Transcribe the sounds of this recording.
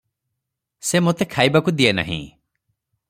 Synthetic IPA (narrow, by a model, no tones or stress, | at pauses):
semot̪ekʰajbakud̪iena̰ɦḭ̃